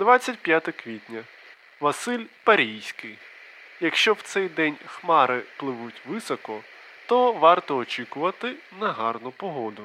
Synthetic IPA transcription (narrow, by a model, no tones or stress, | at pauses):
d̪ʋɑt͡sʲːɐtʲpʲjat̪ɐkʋʲitʲnʲɐ | ʋɐsɪlʲpɐɾʲijsʲkɪj | jɐkʃt͡ʃɔwt̪sɛjd̪ɛnʲxmɑɾɪplˠɪʋutʲʋɪsɔkɔ | t̪ɔʋɑrt̪ɔɔt͡ʃikʊʋɐt̪ɪ | nɐɦɑrnʊpɔɦɔd̪ʊ